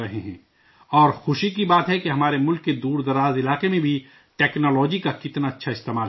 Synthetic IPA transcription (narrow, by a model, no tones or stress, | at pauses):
ɐɦeɦɛ̰̃ː | ɔːɾxʊʃikibaːt̪ɦɛkeɦɐmaːɾemʊlkːed̪uːɾd̪ɐɾaːzɪlaːqemẽbʱi | ʈɛːknɔːlɔːd͡ʒikakɪt̪naɐtːʃʰaɪst̪eːmaːl